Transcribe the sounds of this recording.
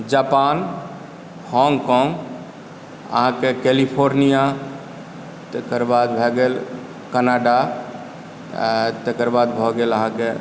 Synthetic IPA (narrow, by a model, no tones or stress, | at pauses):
d͡ʒapan | hɔŋɡkɔŋɡ | ə̰ɦãkekɛlipʰoɾnija | t̪ekəɾbad̪bʱɛɡel | kənaɖa | t̪ekəɾbad̪bʱɔɡeləɦãke